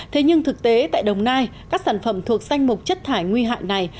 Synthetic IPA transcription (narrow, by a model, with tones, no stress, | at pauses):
t̪ʰe˨˦ɲɨ˧ŋt̪ʰɨ˨˩k̚t̪e˨˦t̪a̰ː˧˨jɗə˨˩wŋ͡mnaː˧jkaː˦˥k̚saː˧˩nfə˧˩mt̪ʰu˨˩ək̚za˧jŋ̟mʊ˨˩k͡p̚t͡ɕə˦˥t̚t̪ʰaː˧˩jŋwi˧ɦa̰ː˧˨jna˨˩j